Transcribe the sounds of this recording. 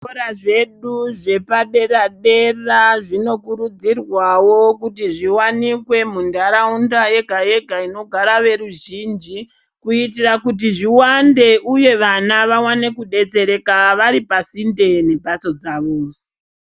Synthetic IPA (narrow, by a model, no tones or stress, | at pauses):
oɾaʐe̞ɗuʐe̞paɗe̞raɗe̞raʐino̞kuɾud͡zirwawo̞kutiʐiwanikwe̞mundaɾaundaje̞ɡʱaje̞ɡʱaino̞ɡʱaɾaʋe̞ɾuʒiːnd͡ʒi | kuitirakut̬iʐiwande̞ʔuje̞ʋanaʋawane̞kuɗe̞t͡se̞ɾe̞kaʋaɾipasinde̞ne̞bʱat͡so̞d͡zaːʋo